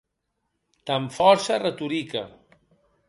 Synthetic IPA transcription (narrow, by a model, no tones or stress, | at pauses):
t̪aɱfɔɾsarət̪uɾika̰